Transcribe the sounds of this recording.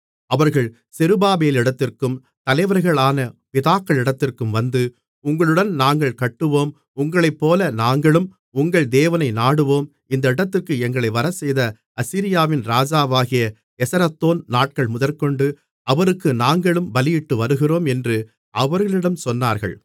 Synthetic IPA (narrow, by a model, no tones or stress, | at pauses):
ɐʋɐɾɣɐɭ | sɪɾɯbaːbeːlɪɽɐt̪ːɪrkɯm | t̪ɐlɐɪʋɐɾɣɐɭaːnɐpɪðaːkːɐɭɪɽɐt̪ːɪrkɯmʋɐnd̪ɯ | ʊŋɡɐɭɯɽɐnnaːŋɡɐɭkɐʈːɯʋoːm | ʊŋɡɐɭɐɪpːoːlɐnaːŋɡɐɭɯm | ʊŋɡɐɭd̪eːʋɐnɐɪnaːɽɯʋoːm | ɪnd̪ɐɪɽɐt̪ːɪrkɯɛŋɡɐɭɐɪʋɐɾɐsɛjðɐ | ɐsiːɾɪjaːʋɪnɾaːd͡ʒaːʋaːɣɪjɐ | ɛsɐɾɐt̪ːoːnnaːʈ̚kɐɭmʊðɐlkɔɳɖɯ | ɐʋɐɾɯkːɯnaːŋɡɐɭɯmbɐlɪjɪʈːɯʋɐɾɯɣɪroːmɛndrɯ | ʔɐʋɐɾɣɐɭɪɽɐmsɔnːaːɾɣɐ̰ɭ